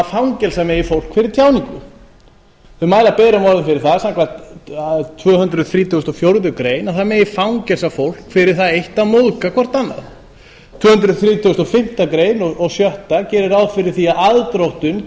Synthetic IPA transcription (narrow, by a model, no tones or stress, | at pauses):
afawŋcɛlsamɛjɪfowl̥kfɪɾɪɾ̥t̪ʰjaːwnɪkʏ | θʏmaːjlapɛːɾamɔɾðʏɪfɪɾɪɾ̥θasaŋkvat̪ | t̪ʰvœːhʏnt̪ɾʏθɾiːt̪ʰust̪ɔfjowɾðʏkɾeːjnaθamɛjɪfawŋcɛlsafowl̥kfɪɾɪɾ̥θaðejht̪amoðkakʰɔr̥t̪anːa̰ð | t̪ʰvœːhʏnt̪ɾʏðθɾiːt̪ʰʏɣst̪ɔfɪm̥t̪akɾeːjnɔɔɣsjœht̪acɛːɾɪɾawðfɪɾɪɾ̥θiaðaðt̪ɾowht̪ʏn